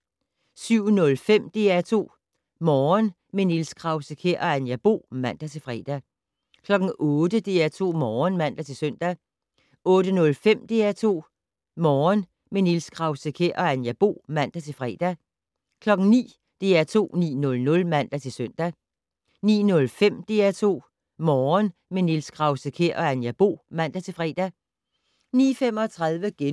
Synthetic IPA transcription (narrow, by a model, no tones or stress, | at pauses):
syʊ̰nɔ̽lfem̰d̥e̝ːæt͡sʰo̝̰ː | mɒːn | menilskʰʁɑ̈ʊsəkʰeʔɒ̽ænjæb̥o̝̰ːmæn̰d̥æt͡sʰe̝fʁɛ̰ːd̥æ | kʰlɒ̽ɡ̥ŋ̩ɔːd̥əd̥e̝̰ːæt͡sʰo̝̰ːmɒːnmæn̰d̥æt͡sʰe̝søn̰d̥æ | ɔ̽ːd̥ənɔ̽lfem̰d̥e̝̰ːæt͡sʰo̝̰ː | mɒːn | menilsɡ̥ʰʁɑ̈ʊsəkʰeʔɒ̽ænjæb̥o̝̰ːmæn̰d̥æt͡sʰe̝fʁɛ̰ːd̥æ | kʰlɒ̽ɡ̥ŋ̩nḭː | d̥e̝ːæt͡sʰo̝̰ːnḭːnɔ̽lnɔ̽lmæn̰d̥æt͡sʰe̝søn̰d̥æ | nḭːnɔ̽lfem̰d̥e̝̰ːæt͡sʰo̝̰ː | mɒːn | menilskʰʁɑ̈ʊsəkʰeɐʔɒ̽ænjæb̥o̝̰ːmæn̰d̥æt͡sʰe̝lfʁɛ̰ːd̥æ | nḭːfem̰ɒ̽t͡sʰʁɑðˠʋəɡ̥e